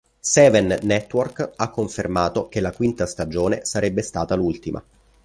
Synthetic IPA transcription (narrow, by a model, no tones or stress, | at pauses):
sɛːvɛnːɛt̪ːworkakːoɱfermaːt̪ok̟elːakwint̪ast̪ad͡ʒoːnesaɾɛbːest̪aːt̪alult̪imʔa̰